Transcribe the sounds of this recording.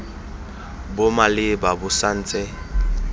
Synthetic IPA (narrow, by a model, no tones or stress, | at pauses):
bʊmalɪbabʊsan̩ːt͡sʼɛ